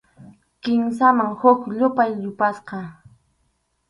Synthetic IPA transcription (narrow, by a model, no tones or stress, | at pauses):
kɪms̬amaŋhʊkʎʊpajʎʊpasqɑ